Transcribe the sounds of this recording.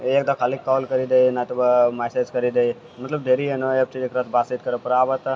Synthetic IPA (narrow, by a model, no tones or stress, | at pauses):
eːk̚d̪əkʰaːlikːɔːlkəɾid̪ejnat̪bmased͡ʒkəɾid̪ei | mət̪ləbd̪ʱeːɾiɦenoek̚t͡ʃid͡ʒekɾət̪baːsit̪kəɾəpəɾaːʋət̪